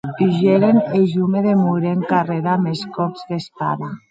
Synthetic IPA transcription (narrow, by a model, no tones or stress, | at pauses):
iʒeɾeneʒumeðemuɾeŋkareɾameskɔpzðespa̰na